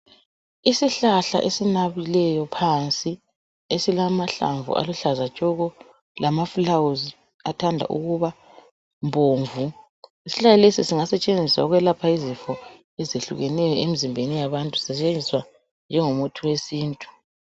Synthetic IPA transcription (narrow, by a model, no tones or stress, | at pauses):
isiɬaɬa̰ʔesinaβilɛjɔpʰant͡sʼi | esilamaɬa̰ɱvṵʔa̰luɬazat͡ʃʼɔɣɔ | lamafulawuz | atʰandʱa̰ʔṵɣuβa | mbʱoːɱvu | isi̥ɬajalesisiŋasɛt͡ʃʼend͡zʱiswa̰uɣwɛlapʰaizifɔ | ɛzeɬṵɣɛnɛjɔʔemizimbʱenijaβantʼusɛt͡ʃʼend͡zʱiswa | nd͡ʒʱɛŋomutʰuwesiːntʼu̥